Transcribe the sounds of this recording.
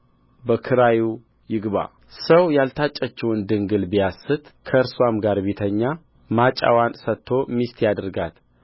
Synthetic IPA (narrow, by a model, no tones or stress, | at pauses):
bəkʰɨɾaju | jɪɡβa̰ | səwjalt̪ʰat͡ʃʼːət͡ʃːɛwɨnd̪ɨŋɡɨlbijasɨt̪kʰəɨɾswamɡaɾbet̪ʰəɲːa | mat͡ʃʼa̰wansət̪ʰːo̞mist̪jad̪ɨɾɡat̪